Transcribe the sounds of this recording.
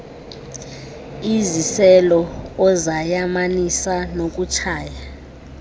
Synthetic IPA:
izisɛlɔɔzajamanisanok̬ʼut͡ʃʰaːja

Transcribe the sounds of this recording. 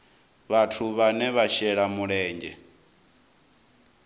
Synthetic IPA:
βatʰuβanɛβaʃɛɺamuɺɛːɲd͡ʒɛ̰

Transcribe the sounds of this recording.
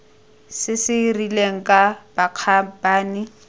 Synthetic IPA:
sɪsɪrileŋ̩kʼab̥aq͡χʰabaːnɪ

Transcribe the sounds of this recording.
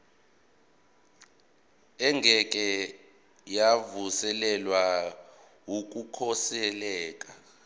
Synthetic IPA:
ɛŋɡʱɛkʼɛ | javusɛlɛlwa | wuk̬ʼukʰɔsɛlɛːkʼa

